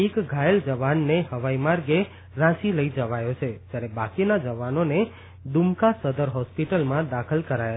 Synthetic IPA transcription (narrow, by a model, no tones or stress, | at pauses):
ekɡʱajəld͡ʒəʋanːehəʋaimaɾɡe | ɾãʃiləid͡ʒəʋajot͡ʃʰed͡ʒjaɾebakinad͡ʒəʋanone | d̪umkasəd̪əɾɦɔspiʈəlmãd̪akʰəlkəɾaja